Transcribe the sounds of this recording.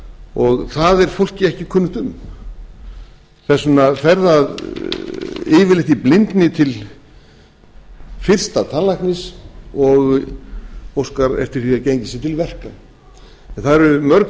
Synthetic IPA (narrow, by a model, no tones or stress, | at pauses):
ɔɣθaðɛɾ̥fowl̥cɪɛhcɪkʰʏnːʏht̪ʏm | θɛsːʏnafɛɾðað | ɪːvɪlɪht̪ɪplɪnt̪nɪt̪ʰɪl | fɪr̥st̪at̪ʰanlajknɪsɔɣ | owskaɾɛ̰ft̪ɪɾ̥θiacejɲcɪsɪt̪ʰɪlvɛr̥ka | ɛnθaðɾʏmœɾk